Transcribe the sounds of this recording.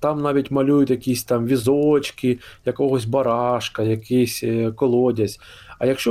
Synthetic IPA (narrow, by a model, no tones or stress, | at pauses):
t̪ɑmnɑʋʲitʲmɐlʲujʊt̪ʲjɐkʲisʲt̪ɑmʋʲizɔt͡ʃkijɐkɔɦɔsʲbɐɾɑʃkɐjɐkɪsʲkɔlˠɔdʲɐsʲ | ɐjɐkʃt͡ʃɔ